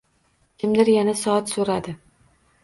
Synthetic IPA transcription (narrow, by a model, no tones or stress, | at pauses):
kʲʰɪmd̪ɪɾjanasɒat̪soɾad̪ɪ